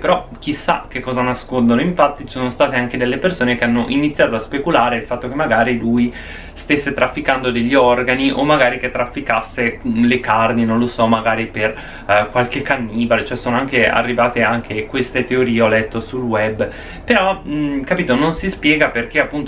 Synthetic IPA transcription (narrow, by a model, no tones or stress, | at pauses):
peɾɔk̟isːa̰k̟ekːɔːzanaskond̪onoiɱfat̪ːit͡ʃsoːnost̪aːt̪eaŋked̪elːepersoːnekeanːoʔinit̪sːjaːt̪oaspekulaːɾeilfat̪ːokemːaɡaːɾiluj | st̪esːet̪ɾafːikand̪od̪eʎːiɔrɡaniʔomːaɡaːɾiket̪ːɾafːikasːelekarninõnlosɔmaɡaːɾiper | kwalk̟ekːanːiːbalet͡ʃoɛsoːnoaŋkea̰rːivaːt̪eaŋkʰekwest̪et̪eoɾiːeɔlɛt̪ːosulwɛbː | peɾɔkapiːt̪ononsispjɛːɡaperk̟eapːunt̪